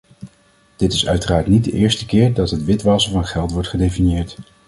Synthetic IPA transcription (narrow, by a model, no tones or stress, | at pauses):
d̥ɪtɪsœ̰ɥtəraːɹtnid̚dəʔɪːɹstəkɪːɹdɑtɦətʋɪtʋɑsəvɑnχɛlˠtʋɔɹtχədejfinjɪːɹt